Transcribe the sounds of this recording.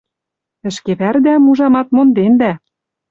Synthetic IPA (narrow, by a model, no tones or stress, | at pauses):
ɘ̆ʃkeβærd̪æmuʒɑmɑt̪mond̪end̪æ